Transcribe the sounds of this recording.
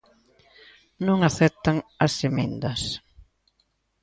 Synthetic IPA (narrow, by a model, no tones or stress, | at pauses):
nõŋaθɛt̪ɐŋɐsemẽnd̪ɐs